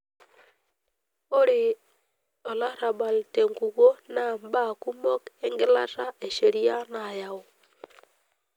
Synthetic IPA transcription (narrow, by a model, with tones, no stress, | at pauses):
o˦ɾɪ˨ | ɔ˨la˦ɾa˨ba˨lte˨ŋɡu˨ɣo˦na˦˨mba˦˨ku˦mɔ˦ke˦ŋɡɪ˦la̰˦ta˦e˨ʃe˨ɾi˦a˦na˨ja˨o˨